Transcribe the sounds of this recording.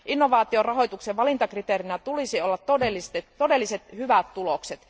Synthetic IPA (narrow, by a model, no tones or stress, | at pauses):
ʔinːoʋɑːt̪iorɑɦojt̪ukseʋʋɑlint̪ɑkrit̪eɾinæt̪ulisiolːɑt̪t̪ːodelːist̪et̪o̞de̞lːiset̪hyʋæt̪t̪ulokset̪